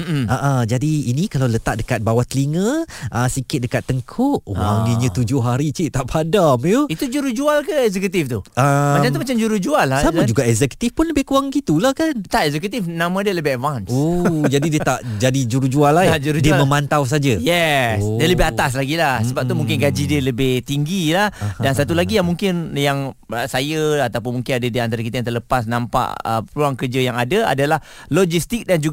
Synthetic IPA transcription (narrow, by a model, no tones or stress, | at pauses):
m̩ʔaʔad͡ʒadiinikalawlət̪a̰ʔ̚dəkat̪̚bawat̪əliŋə̃ʔəsikɪt̪̚dəkat̪ːəŋkʰɔʔaŋəɲə̃t̪ud͡ʒʊɦaɾit͡ʃiʔt̪aʔpʰadamjuit̪ud͡ʒuɾuhd͡ʒualkəɛzɛkut̪ift̪uʔəmat͡ʃamt̪umat͡ʃamd͡ʒuɾuhd͡ʒualassamãd͡ʒuɡaʔɛkzɛku̥t̪ifpʊnləbɪhkuaŋɡit̪ulahkant̪aʔɛzɛkut̪ifnãmãdiələbɪhɛtvansod͡ʒadidiət̪aʔd͡ʒadid͡ʒuɾud͡ʒualad͡ʒuɾudiəməmant̪aws̬ad͡ʒajɛsdiələbɪaas̬laɡilahsəbap̚t̪umũŋkɪnɡad͡ʒidiələbɪht̪iŋɡilahdansat̪ulaɡijaŋmũŋkɪnjaŋəsajəat̪awpʊnmuŋkɪnadadiant̪aɾak̬it̪ajãnt̪ərləpasnãmpa̰ʔə̰pəluaŋkərd͡ʒəjaŋadaa̰dalah | lɔd͡ʒist̪ik̚dand͡ʒu